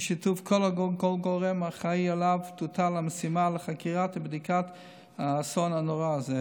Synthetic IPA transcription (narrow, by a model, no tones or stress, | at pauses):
ʃit̪uvkʰɔlaɡɔlɡoʁɛmaχaialavt̪ut̪alaməsimaləχakiʁat̪bd̪ikat̪ | aːsɔnhanɔʁaːzɛ